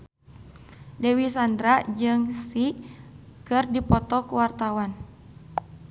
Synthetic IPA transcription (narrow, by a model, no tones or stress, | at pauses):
dɛwisandɾad͡ʒɨŋsi | kɨrdipɔt̪ɔkuwart̪awan